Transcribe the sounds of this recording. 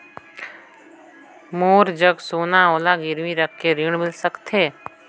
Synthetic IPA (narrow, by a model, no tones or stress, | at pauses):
moːɾd͡ʒəɡsoːnaoːlaɡɪɾmiɾəkːeɾɪɽ̃mɪlsəkt̪ʰeː